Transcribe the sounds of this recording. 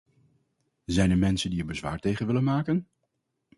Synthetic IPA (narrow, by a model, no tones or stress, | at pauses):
zɛjnɛɹmɛnsəndiəbəzʋa̰ːɹtejχənʋɪlənmaːkən